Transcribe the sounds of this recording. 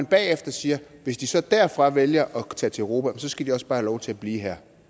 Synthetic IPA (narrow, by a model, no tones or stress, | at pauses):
nb̥ɛːefd̥ɐsiːɐ | ʋe̝sd̥isɒ̽d̥æɐfʁɑ̈ʋeljɐʔɒ̽t͡sʰɛ̰ːt͡sʰeʁo̝ːpʰæemsɒ̽sɡ̥æd̥iɒ̽sb̥ɑ̈ːhælɒʊt͡sʰe̝læb̥lḭːɦæɐ̰